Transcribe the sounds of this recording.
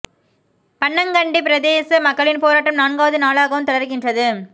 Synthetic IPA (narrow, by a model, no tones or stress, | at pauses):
pɐɳːɐŋɡɐɳɖipɪɾɐðeːsɐmɐkːɐɭɪnpoːɾaːʈːɐmnaːnɡaːʋɐðɯnaːɭaːɣɐʋɯmt̪ɔɽɐɾɣɪndrɐðɯ